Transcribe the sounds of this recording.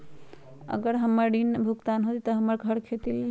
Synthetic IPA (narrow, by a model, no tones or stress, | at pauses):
ə̰ɡəɾɦəmːəɾɖinbʱuɡt̪anɦot̪it̪ɔɦəmːəɾɡʱəɽkʰet̪il